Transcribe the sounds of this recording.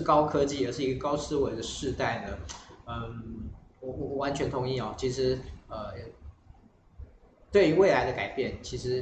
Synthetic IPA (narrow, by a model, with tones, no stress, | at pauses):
ʂɻ̩˥˩˨kɑ˥ʊkʰɤ˥t͡ɕi˥˨˩ə˨˩ʂɻ̩˥˩i˧˥ɡə˧kɑ˥ʊsɹ̩˥we˧˥ɪd̪ə˧ʂɻ̩˥˧t̪a˥˩ɪnə˩ə˧ | wɔ˨˩wɔ˨˩ɔ˨˩wa˧˦nt͡ɕʰɥɛ˧˥nt̪ʰʊ˧˥ŋi˥˩ɔ˨˩t͡ɕʰi˧˥ʂɻ̩˧˥ə˧˩jɛ˨˩ | t̪we˥˩ɪy˧˥we˥˩ɪla˧˥ɪd̪ə˧ka˨˩ɪpjɛ˥˩nt͡ɕʰi˧˥ʂɻ̩˧˥